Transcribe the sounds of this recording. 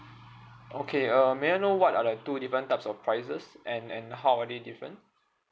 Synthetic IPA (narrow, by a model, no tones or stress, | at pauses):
ʔokʰeəmeanowɔtadətudifɹə̃ntaɪpsɔfpʰɹaɪsəsʔɛ̃nɛ̃nɦawadedifɹə̰̃n